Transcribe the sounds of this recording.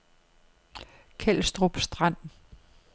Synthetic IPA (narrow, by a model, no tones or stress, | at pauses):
kʰel̰sd̥ʁob̥sd̥ʁan̰